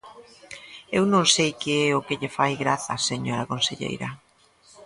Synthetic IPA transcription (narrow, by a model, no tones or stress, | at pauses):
ewnõŋsejkeɛʊkɪʎɪfajɣɾaθɐseɲoɾɐkonseʎḛjɾɐ